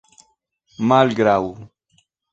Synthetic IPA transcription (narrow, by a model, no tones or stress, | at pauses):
maːlɡɾaːwu